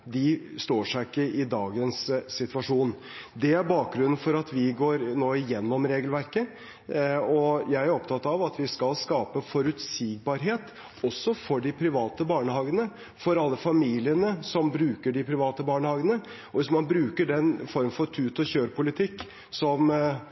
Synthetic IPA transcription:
d̪ɪst̪oːʂæɪkːəɪd̪ɑːɡənsːɪt̪ʋɑʂuːn | d̪ɛæɾbɑːk̚ɡɾʉnːnfɔɾɑt̪ʰʋɪɡoːɾnoːɪjɛnːɔmɾeːɡlʋæɾkə | ɔjæɪæɾɔp̚t̪ʰɑt̪ːɑʋɑt̪ʋɪskɑlskɑːpəfɔɾʉt̪siːɡ̚bɑɾɦeːt̪ | ɔsːɔfɔɖɪpʰɾɪʋɑːt̪əbɑːɳəhɑːɡənə | fɔɾɑlːəfɑmiːlɪənəsɔmbɾʉːkəɖɪpʰɾɪʋɑːt̪əbɑːɳəhɑːɡənə | ɔʋɪsmɑnbɾʉːkəɖɛnfɔɾmfɔɾt̪ʰʉːt̪ɔçøːɾpʊlɪt̪ʰɪkː | sɔm

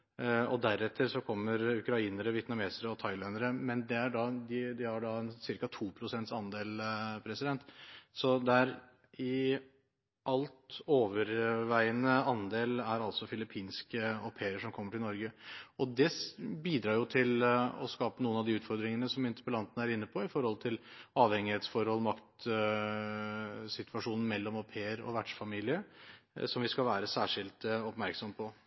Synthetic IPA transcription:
ɔd̪æɾɛt̪ʰːəɾsɔkʰɔmːəɾʉkɾɑiːnəɾəʋjɛt̪nɑmeːsəɾəɔt̪ʰɑɪlɛnd̪əɾəmɛnd̪ɛæɖɑd̪ɪd̪ɪhɑɖɑɛnsɪɾkɑt̪ʰuːpʰɾʊsɛnt̪sɑnd̪eːlpʰɾɛsɪd̪ɛnt̪sɔd̪ɛæɾ | ɪ | ʔɑlt̪oːʋəɾʋæɪənəɑnd̪eːlæɾɑlt̪sɔfɪlɪpʰiːnskəɔpʰeːəʂɔmkʰɔmːəʈʰɪlnɔɾɡəɔd̪ɛbiːd̪ɾɑːɾjʊt̪ʰɪlɔ̰skɑːpənuːənɑʋd̪iʉːt̪fɔɾd̪ɾɪŋənəsɔmɪnt̪ə̥pəlɑnt̪ənəæɾɪnːəpʰɔɪfɔɾhɔlt̪ʰɪlɑːʋhɛŋɪheːt̪sfɔɾhɔlmɑkt̪ | sɪt̪ʋɑʂuːnn̩mɛlːɔmɔpʰeːəɾɔ̰ʋæʈʂfɑmiːlɪəsɔmʋɪskɑlʋæːɾəsæːʂɪlt̪ɔpmæɾksɔmpʰɔ

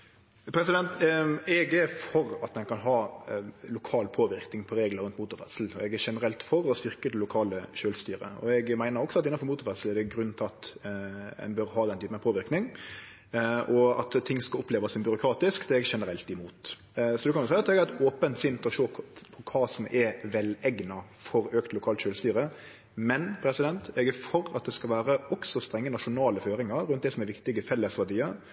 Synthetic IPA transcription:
pʰɾɛsɪd̪ɛnt̪ɛɡæɾfɔɾɑt̪ɛnkʰɑnɦɑːlʊkʰɑːlpʰoːʋɪɾknɪŋpʰɔɾeːɡləɾʉnt̪muːt̪ʊɾfɛt̪sl̩ɔɛɡæʂɛnəɾɛlt̪fɔɾɔsʋɪɾkəd̪ɛlʊkʰɑːləʃøːlst̪yːɾə̰ɔ̰ɛɡmæɪnəɾɔksɔɑt̪ɪnɑfɔɾmuːt̪ʊɾfɛt̪sl̩æd̪ɛɡɾʉnːt̪ʰɪɑt̪ | ɛ̰nbœɾɦɑːd̪ɛnt̪ʰyːpənɛpʰoːʋɪɾknɪŋ | ʔɔɑ̰t̪t̪ʰːɪŋːskɑlɔpʰleːʋɑsɪmbʏɾʊkʰɾɑːt̪ɪskd̪ɛɛɡʂɛnəɾɛlt̪ɪmuːt̪ | sɔd̪ɛkʰɑnjʊsæɪɑt̪ɛɡæɾɛt̪oːpənt̪sɪnt̪ɔʂoːpʰɔkʰɑːsɔmʔɛɾʋɛlɛɡnɑfɔɾøːkt̪lʊkʰɑːlt̪ʃøːlst̪yːɾə | mɛnpʰɾɛsɪd̪ɛnt̪ɛɡæfɔɾɑ̰t̪̚d̪ɛskɑlʋæːɾəɔksɔst̪ɾɛŋːənɑʂʊnɑːləføːɾɪŋɑɾɾʉnt̪d̪ɛsɔmɛɾʋɪkt̪ɪɡəfɛlːəsʋæɖ̪iːəɾ

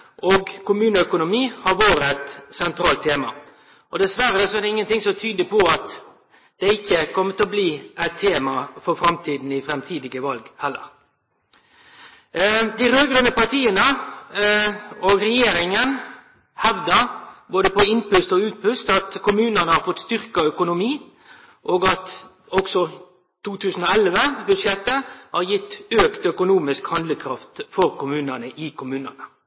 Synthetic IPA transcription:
ʔoɡkʰʊmʉːnəœkʊnʊmiːhɑɾʋoːɾəæt̪sɛnt̪ɾɑːlt̪ʰːeːmɑ̰ | ʔɔd̪ɛsʋæɾːəsɔɛd̪ɛɪŋːənt̪ɪŋsɔt̪ʰyːd̪əpʰɔɑt̪ | d̪̥ɛɪçːəkʰɔmːət̪ʰɔbliːæt̪ʰːeːmɑfɔɾfɾɑmt̪ʰiːd̪n̩ɪfɾɛmt̪ʰiːd̪ɪɡəʋɑlɡhɛlːə̰ɾ | d̪ɪɾøːɡɾɑnəpɑt̪ʰiːənə | oːɡɾɛjeːɾɪŋən | hɛʋd̪əɾboːd̪əpɔɪnpʉst̪ɔʉːt̪̚pʉst̪ɑt̪kʰʊmʉːnənəhɑːɾfɔt̪st̪ʏʁkɑœkʊnʊmiː | ʔoːɡɑt̪ | ɔɡsɔ | t̪ʰuːt̪ʰʉːsn̩ɔɛlʋəbʉʂjɛt̪ːəhɑɾjɪt̪ːøːkt̪œkʊnuːmɪskhɑnd̪ləkʰɾɑft̪fɔɾkʊmʉːnənəʔɪkʰʊmʉːnənə

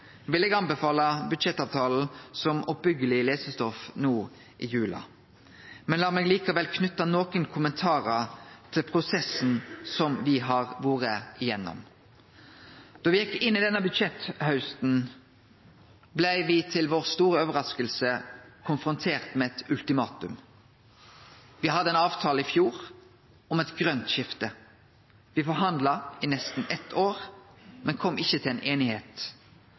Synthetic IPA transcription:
ʋɪlːɛɡɑnbəfɑːlɑbʉd̪ʃɛt̪ːɑːʋt̪ʰɑːl̩sɔmɔp̚bʏɡəlɪleːsəst̪ɔfnuː | ʔɪjʉːlɑ̰ | mɛnlɑːmɛːɡliːkɑʋɛlkʰnʉt̪ːɑnoːkənkʰʊmənt̪ʰɑːɾət̪ʰɪlpʰɾʊsɛsn̩sɔmʋɪɦɑʁʋuːɾəɪjɛnːɔ̰m | d̪̥ɔʋɪjɛkːɪnːɪd̪ɛnəbʉd̪ʃɛt̪hɑʉst̪n̩ | blæɪʋɪt̪ʰɪlʋoːʁst̪uːɾəoːʋəɾɑskəlsəkʰʊnfʁʊnt̪ʰeːʁt̪mɛɛt̪ʉlt̪ɪmɑːt̪ʉ̰m | ʋɪhɑd̪ːəɛnɑːʋt̪ʰɑːləɪfjuːʁ | ɔmɛt̪ɡɾœnt̪ʃɪft̪ə | ʋɪfɔɾɦɑnd̪lɑɪnɛst̪n̩ɛt̪ːʰoːʁmɛnkʰɔmːʔɪçːət̪ʰɪlɛeːnʔeːnɪheːt̪

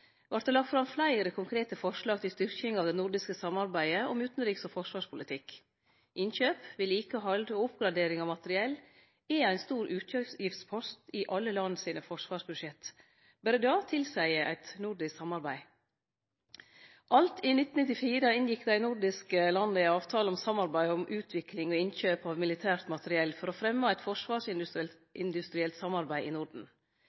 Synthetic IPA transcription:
ʋɑɾʈ̪̚d̪əlɑk̚t̪fɾɑmflæɪɾəkʰʊŋkʰɾeːt̪əfɔʂlɑːɡ̚t̪ʰɪlst̪ʏɾkɪŋɑːʋd̪ɛnʊɾɖɪskəsɑmɑɾbæɪəɔmʉːt̪n̩ɾiːksɔfɔʂʋɑːʂpʰʊlɪt̪ʰɪk | ʔɪnçøːpʋɪlikəɦɑld̪oːʊpɡɾɑd̪eːɾɪŋɑʋmɑt̪əɾɪɛlː | ɛæɪnst̪uːɾʉːt̪øjɪft̪spʰɔst̪ɪʔɑlːəlɑnːəsiːnəfɔʂʋɑːʂbʉdʂjɛt̪ | bæɾəd̪ɑːt̪ʰɪlsæɪəʔæ̰ɪt̪nʊɖɪsksɑmɑɾbæɪ | ʔɑlt̪ʰɪnɪt̪n̩nɪt̪ɪfiːɾəɪnjɪkd̪æɪnʊɖɪskəlɑnd̪əɪɑːʋt̪ʰɑːləɔmsɑmɑɾbæɪɔmʔʉːt̪ʰʋɪklɪŋɔɪnçøːpɑːʋmɪlɪt̪ʰæːɾt̪mɑt̪əɾɪɛlːfɔɾɔfɾɛmːɑːæɪt̪fɔʂʋɑːʂɪn | ʔɪnd̪ʉst̪ɾɪɛlt̪sɑmɑɾbæɪʔɪnʊɖn̩

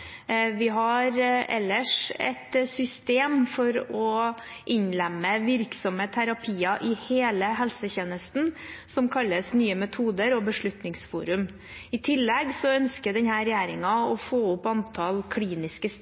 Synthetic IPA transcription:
ʋɪɦɑɾɛ̰lːəʂɛ̰t̪sʏst̪eːmfɔɾɔ | ʔɪɲlɛmːəʋɪɾksɔmət̪ʰæɾɑpʰiːɑʔɪheːləɦɛlsəçeːnəst̪n̩sɔmkʰɑlːəsnyːəmɛt̪ʰuːd̪əɾɔbəʂɭʉt̪nɪŋsfṵːɾʉm | ɪt̪ʰɪlːɛɡsɔœnskəd̪ɛnhæːɾɛjæːɾɪŋɑɔfoːʊpːɑnt̪ʰɑlkʰliːnɪskəs

